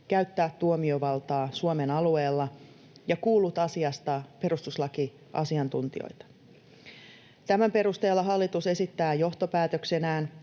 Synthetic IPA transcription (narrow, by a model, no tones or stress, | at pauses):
kæɥt̪ːæːt̪ːuomio̞ʋɑlt̪ɑːsuome̞nɑlue̞ːlːɑ | jɑkuːlːut̪ɑsiɑst̪ɑpe̞ɾust̪uslɑki | ʔɑ̰siɑnt̪unt̪io̰jt̪ɑ̥ | t̪æmæmpe̞ɾust̪e̞ːlːɑɦɑlːit̪use̞sit̪ːæːjo̞ht̪o̞pæːt̪ø̞kse̞næːn